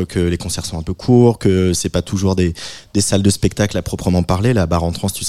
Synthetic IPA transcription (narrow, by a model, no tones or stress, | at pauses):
kʰəlekɔ̃sɛʁsɔ̃ɛ̃pøkʰuʁkəsɛpat̪ʰuʒuʁd̪ed̪̥esald̪əspɛk̚t̪aklapχɔpχəmɑ̃paʁlelabaʁɑ̃t̪χɑ̃st̪ys